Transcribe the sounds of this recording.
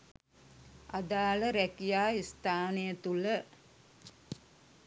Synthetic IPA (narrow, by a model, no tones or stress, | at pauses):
ad̪aːləɾækijaːist̪aːnəjət̪ulə